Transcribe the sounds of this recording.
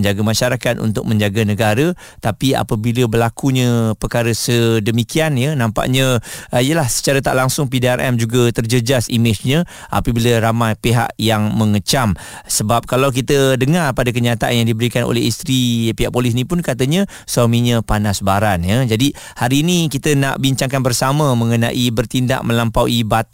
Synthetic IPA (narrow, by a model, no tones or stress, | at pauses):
ɲd͡ʒaɡamaʃaɾakat̪̚ṵnt̪ʊk̚mə̃ɲd͡ʒaɡanəɡaɾə | t̪apia̰pəbiləbərlakuɲə̃pərkaɾəsədəmikianjənãmpa̰ʔɲə̃ijəlahsə̥t͡ʃaɾat̪aʔlaŋsʊŋpideɛrʔɛ̰md͡ʒuɡat̪ərd͡ʒəd͡ʒasḭmɪt͡ʃɲə̃ | ʔa̰pəbiləɾamajpeɦa̰ʔjaŋməŋət͡ʃam | səbap̚kalawk̬it̪ədəŋarpadakəɲat̪aʔanjaŋdibəɾikano̰lɛist̪ɾipiɦaʔ̚polɪs̬nĩpʊnkat̪əɲə̃ | swamiɲə̃panasbaɾanjəd͡ʒadi | haɾiːnikit̪əna̰ʔbiɲt͡ʃaŋkanbərsaməmə̃ŋənã̰ʔibərt̪inda̰ʔmə̃lampawibat̪̚